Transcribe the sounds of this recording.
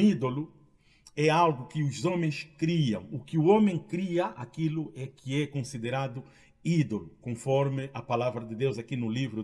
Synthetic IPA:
id̪olu | ɛalɡʊkɪuzõmẽj̃skɾiɐ̰̃w̃ukɪuõmẽj̃kɾiɐʔakilʊɛkʰɪɛkõsid̪eɾad̪ʊ | id̪olukõfɔɾmɪɐpalavɾɐd̪ɪd̪ewzɐkinʊlivɾʊ

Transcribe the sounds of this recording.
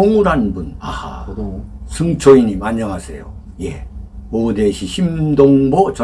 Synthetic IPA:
oŋuɾɦanbuna̰ | sʰɯŋt͡ɕʰoiɲimaɲːaŋɦasʰe̞̰jo̰ | je̞odeɕʰiɕʰimdoŋbot͡ɕʌ

